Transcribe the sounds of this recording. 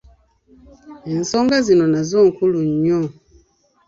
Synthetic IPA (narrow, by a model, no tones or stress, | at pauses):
in̩sɔŋɡazinɔnazɔŋ̩kuluɲɲɔ